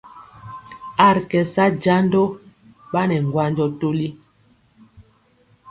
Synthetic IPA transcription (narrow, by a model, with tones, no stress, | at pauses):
a˦˨ɾkɛ˨sa˦d͡ʒa˦ndo˦ | ɓa˦nɛ˨ŋ˨ɡwa˦nd͡ʒɔ˦to˦li˦